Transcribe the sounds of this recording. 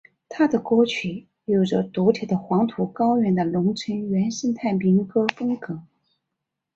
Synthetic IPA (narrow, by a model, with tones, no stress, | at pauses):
t̪ʰa˥d̪ə˨kwɔ˥ʊt͡ɕʰy˨˩ | jo˨˩ʊʈ͡ʂə˧˩t̪u˧˥t̪ʰi˨˩d̪ə˩˦xwɑ˧˥ŋt̪ʰu˧˥kɑ˥ʊɥɛ˧˥nd̪ə˧lʊ˧˥ŋt͡sʰə˧˥nɥɛ˧˥nʂə˥nt̪ʰa˥˩ɪmi˧˥ŋkɤ˥fɤ˥ŋkɤ˧˥˦